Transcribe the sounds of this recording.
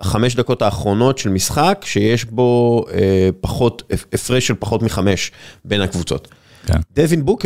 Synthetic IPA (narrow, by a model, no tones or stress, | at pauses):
χame̞ʃ̬d̪ako̞taːχʁo̞no̞tʃelmisχakʃejeʃbo̞epaχo̞tefʁeʃelpaχo̞tmiχame̞ʃbe̞nhakvut͡so̞̰t̪ | kd̪evinbuk